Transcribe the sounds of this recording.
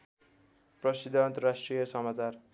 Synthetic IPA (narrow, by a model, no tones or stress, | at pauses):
prʌsid̪ʱant̪ʌrasʈrijʌsʌmat͡sar